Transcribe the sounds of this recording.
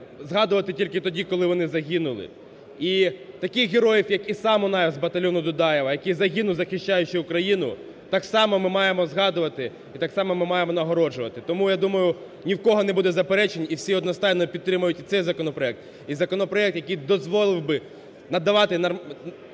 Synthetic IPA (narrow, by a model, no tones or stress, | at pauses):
zɦɑd̪ʊʋɐt̪ɪtʲilʲkɪt̪ɔdʲikɔlˠɪʋɔnɪzɐɦʲinʊlˠɪ̰ | i | t̪ɐkɪjɦeɾɔjɪwjɐkisɑmɔnɑjɛzbɐt̪ɐlʲɔnʊd̪ʊd̪ɑjɛʋɐjɐkʲijzɐɦʲinʊzɐxɪʃt͡ʃajʊt͡ʃɪʊkɾɐjinʊ | t̪ɑksɑmɔmɪmɑjemɔzɦɑd̪ʊʋɐt̪ɪ | it̪ɑksɑmɔmɪmɑjemɔnɐɦɔɾɔʒʊʋɐt̪ɪt̪ɔmujad̪umɐjʊ | nʲiwkɔɦɔnɛbud̪ɛzɐpeɾɛt͡ʃenʲiwsʲiɔd̪nɔst̪ɑjnɔpʲidt̪ːɾɪmʊjʊtʲit̪sɛjzɐkɔnɔpɾɔɛk̚t̪ | izɐkɔnɔpɾɔɛk̚t̪jɐkijd̪ɔzʋɔlˠɪwbɪ | nɐd̪ːɐʋɑt̪ɪnɐ